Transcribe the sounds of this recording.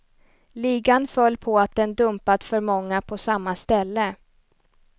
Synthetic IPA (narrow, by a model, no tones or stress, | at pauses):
liːɡanfœlːpʰɔat̪̚d̪ɛnd̪ɵmpat̪fœɾmɔŋːapʰɔsamːast̪ɛlːə